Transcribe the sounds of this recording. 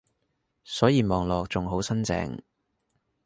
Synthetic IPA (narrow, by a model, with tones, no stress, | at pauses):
sɔː˨˥jiː˨˧mɔː˨ŋlɔː˨k̚t͡sʊ˨ŋɦo˨˥wsɐ˥nt͡sɛ̰ː˨˩ŋ